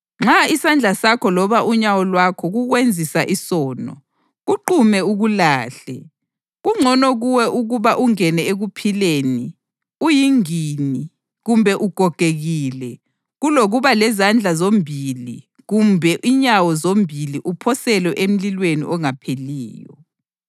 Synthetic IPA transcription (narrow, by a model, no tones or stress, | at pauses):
ŋ͡ǁaisand͡ɮʱasakʰɔlɔβaʔuɲawɔlwakʰɔɣuɣwend͡zʱisaʔisɔːnɔ | ɣuǃumɛuɣulaːɬɛ̰ | ɣuŋ͡ǀʱɔnɔɣuwɛʔuɣuβaʔuŋɛnɛeɣupʰileːni | ujiŋini | ɣumbʱɛʔuɡ̥ʱɔɡ̥ʱeɣilɛ | ɣuloɣuβalɛzand͡ɮʱazombʱili | ɣumbʱɛʔiɲawɔzombʱiliʔupʰɔsɛlwɛʔem̩lilwenḭʔɔŋapʰeliːjɔ